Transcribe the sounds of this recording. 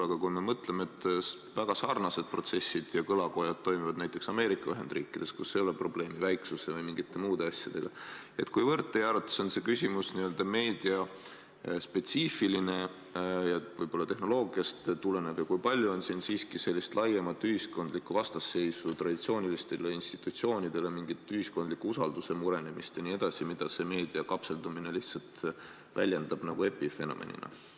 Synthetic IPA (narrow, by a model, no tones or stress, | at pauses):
ɑɡ̥ɑkujme̞mɤt̪le̞meet̪ː | væɡ̥ɑsɑːrnɑse̞d̪̥̚pro̞t̪se̞sːid̪̥jɑkɤlɑko̞jɑd̪̥̚t̪ːo̞jmivɑd̪næjt̪ːˑe̞ksɑme̞ːɾikːˑɑyɦe̞nd̪riːkːˑid̪̥e̞skusːeolːepro̞b̥le̞ːmivæjksusevɯjmiŋɡ̥it̪ːˑe̞muːd̪e̞ɑsʲjɑd̪̥e̞ɡ̥ɑe̞̰t̪kujvɤrt̪ːˑejɑɾɑt̪ːˑɑ̥sonse̞kysʲimusniøld̪ɑme̞ːd̪̥iɑ | spe̞t̪siːfiline̞ | jɑvɤjb̥o̞lːɑt̪e̞hno̞lo̞ːɡiɑst̪t̪ule̞neb̥jɑkujpɑlʲjuo̞nsiːnsiːskise̞lʲːist̪lɑjemɑt̪ːˑyɦisko̞nd̪likːˑuvɑst̪ɑsːe̞jsut̪rɑd̪̥it̪sio̞ːnʲilist̪eleinst̪i̥t̪ut̪sio̞ːnid̪̥e̞le̞miŋɡ̥it̪ːˑyhiskond̪likːuusɑld̪use̞muɾe̞nemist̪jɑnie̞d̪̥ɑsimid̪̥ɑse̞me̞ːd̪̥iɑkɑpse̞ld̪umine̞liht̪sɑlt̪ | væ̰lʲjend̪̥ɑb̥nɑɡ̥ue̞pːife̞no̞̰mḛnḭnɑ̰